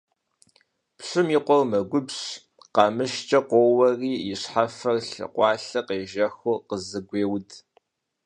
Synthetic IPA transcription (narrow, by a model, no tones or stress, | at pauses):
pɕɨmiːqʷɔwmɐɡʷʊbɕ | qɑmɨʃt͡ʃʼɐqʷowɐriːɪɕħafɐrɬɨ̰qʷɑːɬɐqeːʒɐxoqəzɨɡʷeːwdʰ